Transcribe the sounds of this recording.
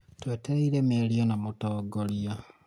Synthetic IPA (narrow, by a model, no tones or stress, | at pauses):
tweːteɾeiɾemeːljonamutoːɡolja